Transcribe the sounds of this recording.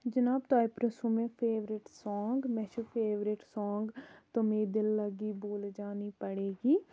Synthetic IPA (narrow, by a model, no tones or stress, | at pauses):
d͡ʒənaːbt̪aːipɾəsumẽpʰeːʋɾɪʈsɔːŋɡmɛ̃ʃupʰeːʋɾɪʈsɔːŋɡt̪omeːd̪ɪlːəɡiboːld͡ʒaːnipəɽeːɡiː